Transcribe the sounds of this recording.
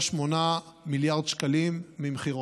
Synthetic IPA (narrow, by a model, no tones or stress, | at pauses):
ʃmonamiljaʁdʃkalimːimχio